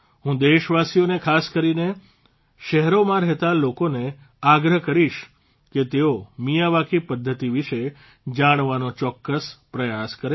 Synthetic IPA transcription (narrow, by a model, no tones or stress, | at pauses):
ɦũd̪eʃʋasijonekʰaskəɾine | ʃɛɦɾomãɾɛɦt̪alokone | aɡɾəɦkəɾiʃ | ket̪eomijaʋakipəd̪ʱːət̪iʋiʃe | d͡ʒaɽ̃ʋanot͡ʃɔkːəspɾəjaskəɾe